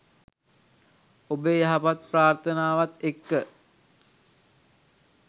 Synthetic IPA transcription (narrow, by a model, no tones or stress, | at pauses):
obəjaɦapat̪̚praːrt̪ənaːʋat̪ekːə